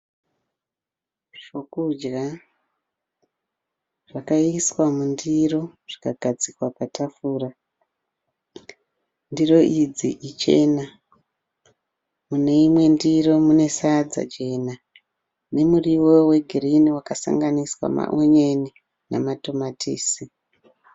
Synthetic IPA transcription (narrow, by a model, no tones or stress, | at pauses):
ʐokud͡ʒɡa | ʐ̥akaiswamundiro̞ʐ̥ikaɡ̥ʱad͡zikwapatʰafuːra | ndiro̞ʔid͡ziʔit͡ʃe̞̰na | mune̞imwe̞ndiro̞mune̞sad͡za̰t͡ʃe̞na | ne̞muriwo̞we̞ɡʱiriniwakasa̰ŋɡaniswa̰ma̰ʔoɲeni | na̰mato̞matʰiːsi